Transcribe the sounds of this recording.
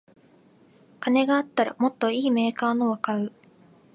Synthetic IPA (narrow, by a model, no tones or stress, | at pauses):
kane̞ɡaːt̪ːaɾa̰mo̞t̪ːo̞iːme̞ːkaːnoβakaɯ̟